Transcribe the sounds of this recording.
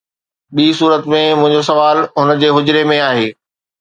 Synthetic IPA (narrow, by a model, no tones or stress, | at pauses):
ɓiːsuːɾət̪mẽmʊ̃ɦɪ̃ɲd͡ʑos̬ɐʋaːlɦʊn̆d͡ʑeːɦʊd͡ʑɾemẽaːɦeː